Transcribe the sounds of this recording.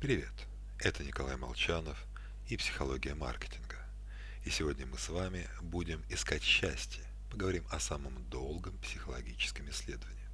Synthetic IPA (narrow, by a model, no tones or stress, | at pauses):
pɾʲɪvʲe̞t̪ | ɛt̪ənʲɪkɐlˠajmɐ̰lˠt͡ɕanəf | ipsʲɪ̥xɐlˠo̞ɡʲɪjəma̰rkʲɪ̥tʲɪnɡə | isʲɪvo̞dʲnʲəmɨsvamʲɪ | budʲɪmɪskatʲɕːæsʲtʲɪjə | pəɡəvɐɾʲimɐsaməmd̪o̞lˠɡəmpsʲɪxəlˠɐɡʲit͡ɕɪ̥skʲɪmɪsʲːlʲe̞d̪əvənʲɪjɪ